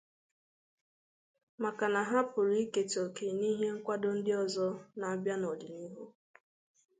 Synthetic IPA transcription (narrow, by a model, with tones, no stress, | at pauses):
ma˨ka˨na˨ɦa˦pʊ˨ɾi˦ke˨to˨ke˨ni˦ɦe˦ŋ̩˦kʷa˦do˦n̩˦dɪ˦ɔ˨zɔ˦na˨a˨bja˦nɔ˨dɪ˨ni˦ɦu˦